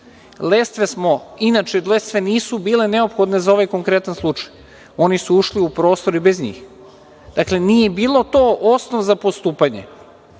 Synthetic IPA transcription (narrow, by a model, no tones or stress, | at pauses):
lest̪ʋesmo̞inat͡ʃelest̪ʋe̞niːsubiːle̞ne̞opxo̞d̪nezao̞ʋajko̞ŋkɾe̞t̪anslˠut͡ʃaj | o̞nisuuʃliupɾo̞ːst̪o̞ɾibezɲḭːx | d̪̥akle̞niːjebiːlˠo̞t̪oʔosnoʋzapost̪uːpaɲḛ